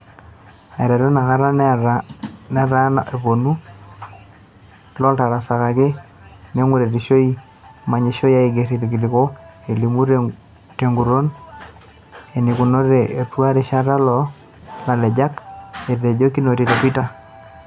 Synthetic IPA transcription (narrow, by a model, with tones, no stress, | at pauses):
a˨i˨ɾa˨ɾo˦na˨ka˦ɾa˦n | nɛ˦ɾa˦na˨ʔe˨po˨nu˦ | lɔ˦lta˨ɾa˨sa˨ka˨ke˦ | ne˦ŋu˦ɾe˨ɾi˨ʃo˦i˦ | ma˨ɲe˨ʃo˦ja˦i˨ɡe˨ɾi˨ɾki˨lɪ˨ko˦e˨li˨mu˦ɾ | te˨ŋɡu˨ɾo˦n | e˨ni˨ku˨no˦ɾe˨e˨twa˦ɾe˨ʃa˦ɾa˦lɔ˦ | la˨lɛ˨d͡ʒa˦ke˨ɾɾe˨d͡ʒo˦ki˦no˨ti˨ta˨pi˦ta˦